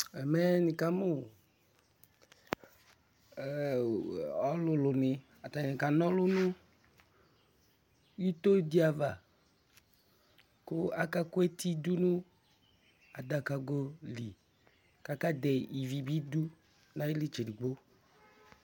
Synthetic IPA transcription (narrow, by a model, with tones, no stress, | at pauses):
ɛ˨mɛ˦nĩ˨ka˦mo˦˨ | ɔ˦lʊ˨lʊ˨nɪ˨ | a˨t̪a˨nĩ˨ka˨nɔ̃˦lʊ˦nũ˦ | ju˦t̪o˦di˦a˨va˨ | ko˦a˦ka˦ku˦e˦t̪i˦du˦nũ˦ | a˨d̪a˨ka˨ɡo˦li˨ | ka˦ka˦de˨i˨vi˨bi˦du˦ | nã˦ji˦li˦t͡ʃe˨di˨ɡ͡bo˦